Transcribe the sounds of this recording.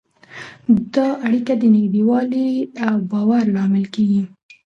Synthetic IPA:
d̪ɑʔaɽikad̪ənɪɡd̪ewɑliawbɑwaɾlɑmɪlkeɡi

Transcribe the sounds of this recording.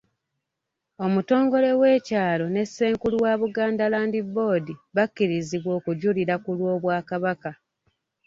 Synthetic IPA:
o̞muto̞ːŋɡo̞le̞we̞ːcaːlo̞ne̞sːe̞ːŋkulwaːβuɡaːndalaːndibo̞ːdiβakːiɾiziβwo̞ːkuɟuliɾakulwo̞ːβwaːkaβaka

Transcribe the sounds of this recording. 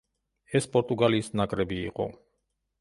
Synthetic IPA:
ɛspʼɔɾt̪ʼuɡaliːsnakʼɾɛbḭːqʼɔ̰

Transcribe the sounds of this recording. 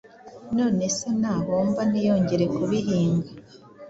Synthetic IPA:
no̞ːne̞senaːɦoːmbanijo̞ːɲɟe̞ɾe̞kuβiɦiːŋɡa

